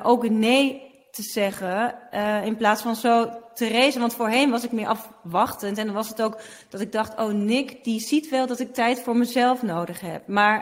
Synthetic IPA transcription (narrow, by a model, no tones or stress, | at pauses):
ʔowkənej | təz̥ɛχə | ɪnplaːtsfɑnzowtərejzənʋɑntfoːɹɦɛnʋɑsɪkmɪɹʔɑfʋɑχtəntɛndɑnʋɑsətowk | d̥ɑtɪɡ̚dɑχto̰wnɪkdizitʋɛlˠdɑtɪk̚tɛjtfʊːɹməzɛlˠfnowdəχɦɛ̰p̚maːɹ